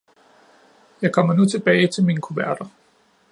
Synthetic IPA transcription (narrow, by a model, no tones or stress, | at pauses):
jɑ̈ɪkʰɒ̽m̰ɐnut͡sʰe̝b̥ɛːɪt͡sʰe̝lmiːnəkʰuʋæɐd̥ɐ